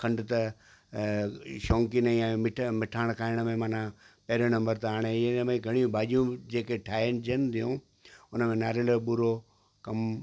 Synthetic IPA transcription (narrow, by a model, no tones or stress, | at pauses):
kʰɐ̃ɳɖt̪ɐ | ʃɔːŋkinɐĩãmɪʈʰmɪʈʰaːɽ̃kʰaːɪɽ̃ə̆mẽmaːnãpɐɦɾonɐ̃mbəɾt̪ɐɦaːɽ̃eɪnmẽɡʱɐɽ̃iũbʱaːʄijũd͡ʑeːkeʈʰaːɪnd͡ʑənɪt̪ʰijũ | ʊnəmẽnaːɾeloɓʊɾo | kɐm